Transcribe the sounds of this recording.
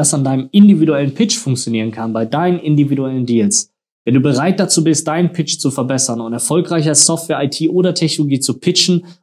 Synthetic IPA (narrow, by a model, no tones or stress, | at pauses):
asandaɪnəmɪndividuɛlənpʰɪt͡ʃfʊŋkt͡sjoniːʁ̞ənkʰanbaɪdaɪnənʔɪndividuɛləndiːls | vɛnduːbəʁaɪt̚d̥at͡suːbɪst̚d̥aɪnənpʰɪt͡ʃt͡sufɛɐbɛsɐnʊntɛɐfɔlkʁ̥aɪç̬ɐasɔftvɛːɐʔaɪtʰiːʔoːdɐtʰɛçnoloɡiːt͡supʰɪt͡ʃn̩